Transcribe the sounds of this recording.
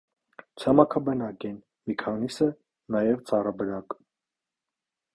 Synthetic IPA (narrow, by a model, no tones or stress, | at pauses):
t͡sʰɑmɑkʰɑbɛnɑkɛn | mikʰɑnisə | nɑjɛvt͡sɑrɑbəɾɑk